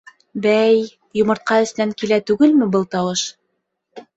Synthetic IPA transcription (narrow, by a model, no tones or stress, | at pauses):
bæj | jŏmɤ̆ɾt̪̚qɑɵ̆snæŋkilæt̪ʉɡɘlmɘbɤlˠt̪ɑwɤʃ